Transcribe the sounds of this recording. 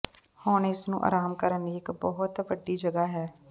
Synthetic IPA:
hʊɳɪsnṵ̃ːʔa̰ːɾaːmkəɾəniːɪkbɔːɦʊt̪ʋəɖiːd͡ʒəɡaːɦɛː

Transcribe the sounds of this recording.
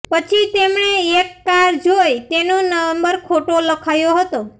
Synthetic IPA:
pət͡ʃʰit̪emɳeekːaɾd͡ʒojt̪enonəʋəmbəɾkʰoʈoləkʰajoɦət̪o

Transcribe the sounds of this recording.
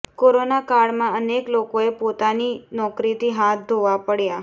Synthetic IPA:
koɾonakaɽmãəneklokoepot̪aninɔkɾit̪iɦat̪̚ʰd̪ʱoʋapəɽja

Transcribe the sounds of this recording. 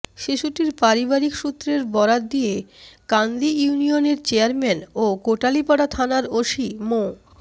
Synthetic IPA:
ʃiʃuʈiɾpaɾibaɾikʃut̪ːɾeɾbɔɾad̪ijekand̪ijunijoneɾt͡ɕeaɾmɛnokoʈalipaɽat̪ʰanaɾoʃimo

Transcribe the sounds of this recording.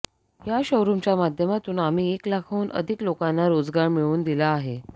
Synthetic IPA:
jaɕəwɾumt͡ɕjamad̪ʱjəmat̪uːnam̤iːeklakʰauːnʔə̰d̪ʱiklokanːaɾod͡zɡaɾmiɭuːnd̪ilaːɦe

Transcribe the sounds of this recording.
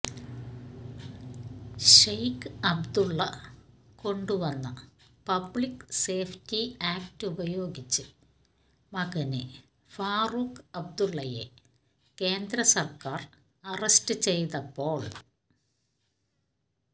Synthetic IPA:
ɕejkɨɐbd̪uɭːɐ̰ | ko̞ɳɖuʋɐnːɐ | pɐbɭikse̞ːftiaːk̚tɨubɐjo̞ːɡit͡ɕːɨ | mɐɡɐnɨ | faːrukɐb̚d̪uɭːɐje̞̰ | ke̞ːnd̪ɾɐsɐrkaːr | ɐrɐstɨt͡ɕe̞jðɐpːo̞ːɭ

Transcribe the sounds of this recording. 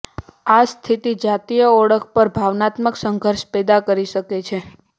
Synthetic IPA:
ast̪ʰit̪id͡ʒat̪ijəɔɽəkʰpəɾbʱaʋnat̪məksəŋɡʱəɾʃpɛd̪akəɾiʃəket͡ʃʰe

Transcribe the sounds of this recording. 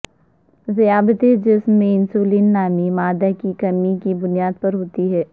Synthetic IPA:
zijaːbət̪ed͡ʒɪsmːẽɪnsuːliːnːaːmimaːd̪akikɐmikibʊnijaːd̪̚pɐɾɦoːt̪iɦɛː

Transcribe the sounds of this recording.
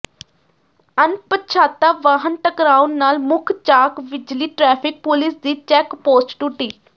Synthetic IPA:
ənpəʃʰaːt̪ːaːʋaːɦənʈ̪əkɾaːʊnnaːlmʊkʰt͡ʃaːkʋɪd͡ʒliːʈɾɛːpʰɪk̚pʊlɪsd̪iːt͡ʃɛːkpoːsʈʈʊʈːiː

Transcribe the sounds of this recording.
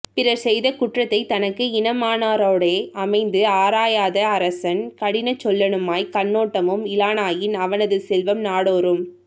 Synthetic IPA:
pɪɾɐɾsɛjðɐkʊʈrɐt̪ːɐɪt̪ɐnɐkːɯɪnɐmaːnaːɾoːɽeːɐmɐɪnd̪ɯaːɾaːjaːðɐːɾɐsɐnkɐɽɪnɐt͡ʃːɔlːɐnɯmaːjkɐnːoːʈːɐmɯmɪlaːnaːjɪnɐʋɐnɐðɯsɛlʋɐmnaːɽoːɾɯm

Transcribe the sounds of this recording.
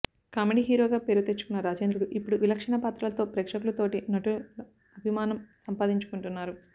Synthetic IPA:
kaːmeɖiːɦiːɾoːɡaːpeɾuɡut̪et͡ʃːu̥kunːɐɾaːd͡ʒeːnd̪ɾuɽuʔipːuɽuʋilɐkʂɐɳɐpaːt̪ɾɐlɐt̪o̞ːpɾɛːkʂɐkulɐt̪o̞ːʈinɐʈu | ɐbʱimaːnɐmsɐmpaːd̪iɲt͡ʃu̥kuɳʈunːaːɾu

